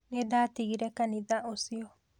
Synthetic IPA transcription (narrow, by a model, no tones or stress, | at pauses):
ned̪at̪iɡiɾɛkanid̪aʔosio